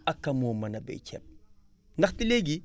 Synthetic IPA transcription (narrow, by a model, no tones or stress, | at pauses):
ɐkːɐmoːmːɐnɐbɛ̰t͡ʃɛ̰p̚ | nɐxtileɡi